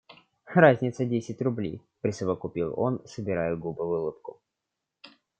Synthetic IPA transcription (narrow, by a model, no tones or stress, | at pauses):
razʲnʲɪt̪sədʲesʲɪtʲrʊblʲḛjpɾʲɪsəvəkʊpʲilˠo̞̰nsəbʲɪɾajʊɡubɨvʊlˠɨpkʊ